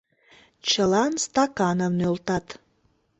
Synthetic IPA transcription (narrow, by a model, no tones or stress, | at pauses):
t͡ʃʰəlanst̪akanavnølˠt̪at̪